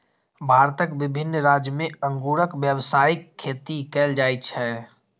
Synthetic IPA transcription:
bʱaːɾt̪əkbɪbʱɪnːɾaːd͡ʒjəmẽə̃ŋɡuːɾəkʋjəwsaːɪkʰːeːt̪ikɛːld͡ʒaːjt͡ʃʰɛː

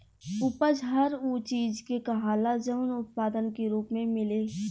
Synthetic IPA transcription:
ʊpəd͡ʒɦɐɾuːt͡ʃiːd͡ʒkekɐɦaːlad͡ʒəʊnʊt̪̚paːd̪ənkeɾuːpmẽmɪleː

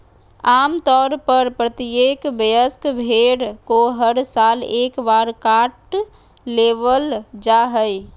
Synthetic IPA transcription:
aːmt̪ɔːɾpəɾpɾət̪iekbəjəskbʱeɽkoɦəɾsaːleːkbaːɾkaʈː | eːʋəld͡ʒaɦəj

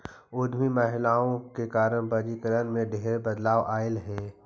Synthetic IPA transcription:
ʊd̪ʱmiməɦɪlaːõkekaːɾəɽ̃bɐɾikəɾənmẽɖʱeɦɾebɐd̪laːʋʔaːɪlɦɛ̃ː

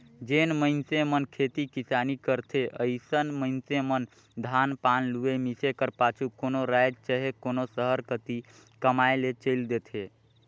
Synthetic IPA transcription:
d͡ʒenməɪnsemənkʰet̪ikisanikəɾt̪ʰeʔəɪsənməɪnsemən | d̪ʱanpanluemisekəɾpat͡ʃʰukonoɾajd͡ʒt͡ʃəɦekonosəɦəɾkət̪i | kəmaelet͡ʃəɪld̪et̪ʰe

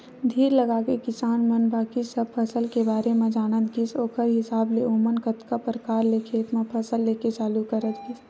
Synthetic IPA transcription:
d̪ʱiːɾləɡaːkekɪsaːnmənbaːkisəb̚pʰɐsəlkebaːɾemẽd͡ʒaːnət̪ɡisoːkʰəɾɦɪsaːbleoːmənkət̪kapɾkaːɾlekʰeːt̪mẽpʰɐsəlːeːket͡ʃaːlukəɾət̪ɡis

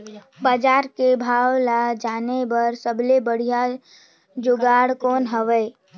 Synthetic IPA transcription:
baːd͡ʒaːɾkebʱaːwlad͡ʒaːnebəɾsəblebəɽ̤ija | d͡ʒʊɡaːɽkoːnɦəʋəː

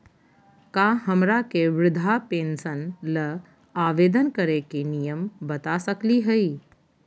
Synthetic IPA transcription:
kaɦəmɾakeʋɾɪd̪ʱapẽːnsənlə | aːʋeːd̪ənkəɾekenijəmbɐt̪asəkliɦəi

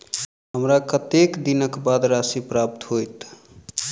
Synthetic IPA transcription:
ɦəmɾakət̪ekd̪inəkbad̪ɾasipɾap̚t̪ɦojt̪

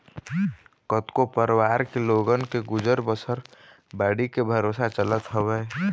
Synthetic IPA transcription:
kət̪kopəɾwaːɾkeloːɡənkeɡʊd͡ʒəɾbəsəɾ | baːɽikebʱəɾoːsat͡ʃələt̪ɦəwɛː

